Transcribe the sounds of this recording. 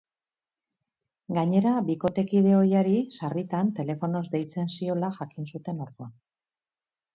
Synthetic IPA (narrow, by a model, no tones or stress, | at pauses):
ɡaɲe̞ɾaβiko̞t̪e̞kið̞e̞o̞jaɾisarit̪ant̪e̞le̞fo̞no̞zd̪e̞jt͡se̞nsio̞laʝakinsut̪e̞noɾɣuan